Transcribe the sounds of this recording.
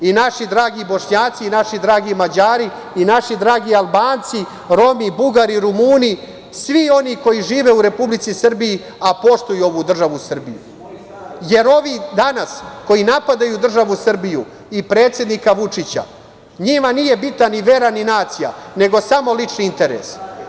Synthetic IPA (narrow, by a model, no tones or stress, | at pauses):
inaʃid̪ɾaːɡibo̞ʃɲaːt̪siːnaʃid̪ɾaːɡimad͡ʑaːɾiː | naʃid̪ɾaːɡialˠbaːnt̪si | ɾo̞mibuɡaɾiɾumuːni | sʋio̞niko̞jiʐiːʋeuɾe̞publit̪sisr̩bii | apo̞ʂt̪ujuo̞ʋud̪r̩ʒaʋusr̩bijṵ | je̞ɾo̞ʋid̪anasko̞jinapad̪ajud̪r̩ʒaʋusr̩biju | ipɾe̞ːt̪sje̞d̪nikaʋut͡ʂit͡ɕa̰ | ɲimanije̞bit̪naniʋe̞ɾaninaːt̪sija̰ne̞ɡo̞samo̞lit͡ʂniint̪e̞ɾḛs